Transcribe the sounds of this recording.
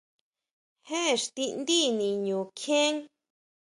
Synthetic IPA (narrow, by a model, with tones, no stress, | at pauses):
he˦˨ʂt̪i˧nd̪i˦nĩ˨ɲũː˨kʰẽ˦ŋ